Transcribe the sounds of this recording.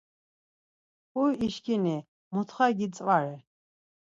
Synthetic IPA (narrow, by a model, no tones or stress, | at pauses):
kujiʃkini | mut̪ʰχaɡit͡sʼvaɾɛ